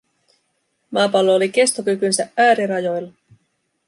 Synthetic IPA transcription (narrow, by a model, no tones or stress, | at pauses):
mɑːpɑlːoːlike̞st̪okykynsæʔæːɾiɾɑjo̞jlːɑ